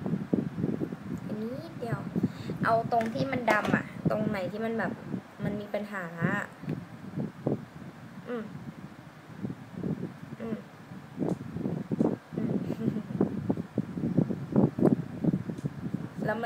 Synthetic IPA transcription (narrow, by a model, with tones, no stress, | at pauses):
a˨˩niː˦˥˦di˧ɐwʔa˧wt̪o˧ŋt̪ʰiː˥˩ma˧nda˧mʔa̰˨˩ʔt̪o˧ŋna˨˩˦jt̪ʰiː˥˩ma˧nbɛː˨˩p̚ | ma˧nmiː˧pa˧nɦaː˩˦ | ʔɯː˧˩m | ʔɯː˧˩m | ʔɯː˧m | lɛː˦˥m˧